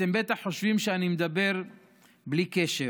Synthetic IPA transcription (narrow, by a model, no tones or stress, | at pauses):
t̪embet̪aχːo̞ʃvimʃeanimed̪abe̞ʁ | blikeʃe